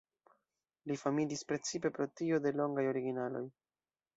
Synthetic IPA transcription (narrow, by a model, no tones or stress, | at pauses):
lifamilispɾe̞t͡sipe̞pɾo̞tio̞de̞lo̞ŋɡajo̞ɾiɡinalo̞̰j